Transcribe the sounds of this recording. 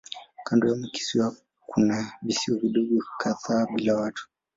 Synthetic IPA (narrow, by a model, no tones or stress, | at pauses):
kandɔjamuki̥siwa | kʰunavisiwɔviɗɔɡukʰaðaɓilawatʰu̥